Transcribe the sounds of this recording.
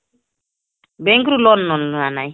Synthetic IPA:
bɛ̃ŋkiɾulɔnnɔ̃nnanaje

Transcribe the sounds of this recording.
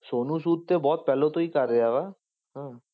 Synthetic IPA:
ʃonusud̪̚t̪ebɔt̪̚pɛlot̪oikaɾeaβa | ɦɛ̃

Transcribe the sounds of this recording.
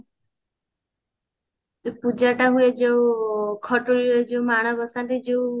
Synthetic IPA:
pud͡ʒaʈaɦued͡ʒeũkʰɔʈoɾiɾed͡ʒeumaɽ̃ɔɡɔsant̪id͡ʒeũ

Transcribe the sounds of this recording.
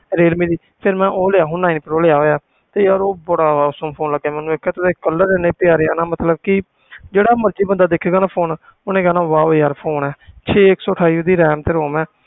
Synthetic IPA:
ɾeːlmiːdiː | pʰɪɾmɛ̃ːʔoːleaːɦʊnaːinpəɾoːleaːɦoːjaː | t̪eːjaːɾoːbʊɽaːaːsəːmpʰoːnləɡːeaːmɛ̃ːnːũːeːkʰaːt̪ɪd̪eːkəlːəɾːɛːneːpɪjaːɾeːaːnaːmət̪ləb̚kɪ | d͡ʒeːɽaːməɾt͡ʃiːbənd̪aːd̪eːkʰeːɡaːnaːpʰoːn | onẽːɡaːnãːʋaːjaːɾpʰoːnɛːt͡ʃʰeːɪksɔːʈʰaːiːod̪iːɾɛːmt̪eːɾoːmɛ̃ː

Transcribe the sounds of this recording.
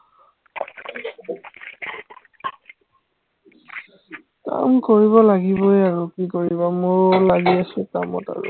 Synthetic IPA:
ka̰mkoɹiβɔlaɡibɔjaɹokikoɹibamʊɹolaɡiasɛka̰mɔ̰ta̰ɹʊ̰

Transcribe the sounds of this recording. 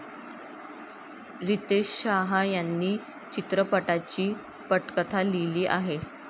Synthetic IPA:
ɾit̪eɕɕaɦajanːiː | t͡ɕit̪ɾəpəʈat͡ɕiː | pəʈkət̪ʰaliliːʔaɦe

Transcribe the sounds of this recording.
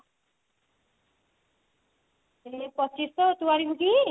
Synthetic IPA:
epɔt͡ʃist̪ɔt̪uaɾibuɡi

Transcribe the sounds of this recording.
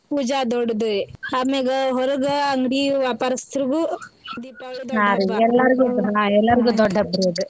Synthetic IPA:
ud͡ʒaːd̪ɔɽd̪ueaːmeɡɐɦɔɾɐɡɐɐŋɡɽiʋaːpaːɾɐst̪ɾuɡud̪iːpaːld̪naːɾuɛlːɐɾiɡuaɛlːɐɾiɡuːd̪ɔɖːɐbɾeɖ̪u

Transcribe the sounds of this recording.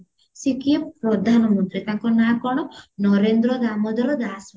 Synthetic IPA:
sikijɐpɾɐd̪ʱaːnɐmɐnt̪ɾit̪ɐŋkonaːkoɳonoɾeːnd̪ɾod̪aːmod̪ɐɾod̪aːs

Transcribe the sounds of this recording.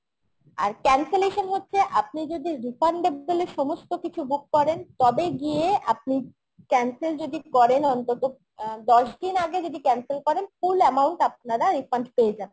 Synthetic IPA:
a̰ɾkɛnseleʃonɦotːɕʰeʔap̚nid͡ʑod̪iɾifʰaɳɖeboleʃɔmost̪okit͡ɕʰubukːɔɾent̪ɔbeɡieap̚ni | kɛnseɾd͡ʑod̪ikɔɾenɔnt̪ot̪o | d̪ɔʃd̪inaɡed͡ʑod̪ikɛnselkɔɾenfulɛmawɳʈap̚naɾaɾifaɳɖpeed͡ʑabe

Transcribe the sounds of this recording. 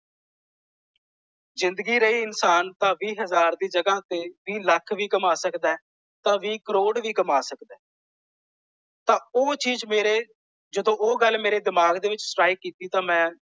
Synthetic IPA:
zɪnd̪ɡiːɾəiːɪnsaːnt̪ãːʋiːɦəzaːɾd̪iːd͡ʒəɡãːt̪eːʋiːləkʰʋiːɡəmaːsəkd̪ɛː | t̪ãːʋiːkəɾoːɽʋiːkəmaːsəkd̪ɛː | t̪ãːoːt͡ʃiːd͡ʒmeːɾeː | d͡ʒəd̪õːʔoːɡəlmeːɾeːd̪ɪmaːɡd̪eːʋɪt͡ʃsʈɾaːiːkiːt̪iːt̪ãːmɛ̃ː

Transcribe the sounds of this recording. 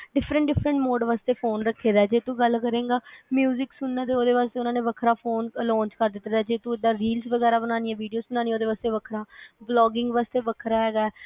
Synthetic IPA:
ɖɪpʰɾə̃ɳʈ̚ɖɪfʰɾəɳʈmoːɖʋaːst̪eːpʰoːnɾəkʰːeːd̪aɛːd͡ʒeːt̪ũːɡəlkəɾẽːɡaːmjuːzɪksʊnːaːt̪̬eːoːd̪eːʋaːst̪eːʊnãːnẽːʋəkʰɾaːpʰoːnlɔ̃ːnt͡ʃkəɾd̪ɪt̪ːd̪aːd͡ʒeːt̪ũːɪd̪ãːɾiːlsʋəɡɛːɾaːbənãːniːɛ̃ːʋiːɖijoːsbənaːnĩːoːd̪eːʋaːst̪eːʋəkʰɾãːblɔːɡɪ̃ŋɡʋaːst̪eːʋəkʰɾaːɦɛːɡaɛː

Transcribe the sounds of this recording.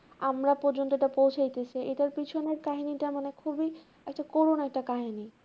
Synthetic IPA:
amɾapɔɾd͡ʑont̪oeʈapowt͡ɕʰajt̪et͡ɕʰiʔeʈaɾpit͡ɕʰoneɾkaɦiniʈamanekʰubi | ɛk̚ʈakoɾunɛk̚ʈakaɦini

